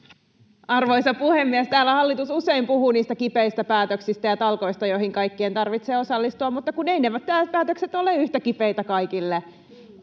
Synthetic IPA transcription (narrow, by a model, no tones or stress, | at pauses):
ɑrʋo̞isɑpuhemːiæst̪æːlːæhɑlːit̪ususeimpuɦuniːst̪ækipeist̪æpæːt̪øksist̪æjɑt̪ɑlko̞ist̪ɑjoihiŋkɑikːient̪ɑrʋit̪seːo̞sɑlːist̪uɑmut̪ːɑkuneineʋæt̪t̪æːpæːt̪økset̪o̞leyht̪ækipejt̪ækɑikilːe